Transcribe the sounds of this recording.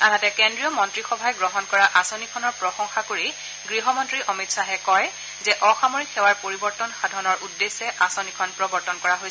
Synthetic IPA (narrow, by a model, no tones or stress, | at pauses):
adatɛkendɹijɔmɔntɹixɔbʱajɡɹɔɦɔnkɔɹaʔasonikʰɔnɔɹpɹɔxɔŋxakoɹi | ɡɹiɦɔmɔntɹiʔɔmitsaɦɛkɔj | zɛʔɔxamoɹikʰːɛwaɹpoɹibɔɹtɔnxadʱɔnɔɹʔudːesɛʔasonikʰɔnpɹɔbɔɹtɔnkɔɹaɦojsɛ